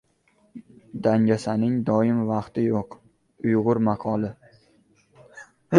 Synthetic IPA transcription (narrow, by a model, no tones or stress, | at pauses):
d̪aŋd͡ʒʲasanɪŋd̪ɒɪmvɑqt̪ɪjoq | ʊjʁʊɾmaqʰɒlˠɪ